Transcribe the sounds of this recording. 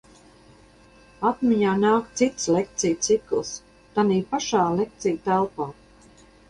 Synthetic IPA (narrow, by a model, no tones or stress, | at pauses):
at̪mʲiɲaːnaːkt̪sit̪slek̚t̪sijt̪siklˠs | t̪aniːpaʃaːlek̚t̪sijt̪ælˠpaː